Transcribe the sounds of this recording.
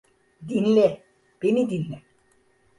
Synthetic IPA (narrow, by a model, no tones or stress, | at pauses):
d̪inle | penid̪inle